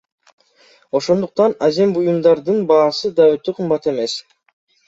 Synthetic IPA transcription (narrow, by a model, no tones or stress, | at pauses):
o̞ʃo̞nd̪uq̚t̪ɑnaze̞mbujumd̪ɑɾd̪ɯnbɑːsɯd̪ɑøt̪øqʰɯmbɑt̪e̞me̞s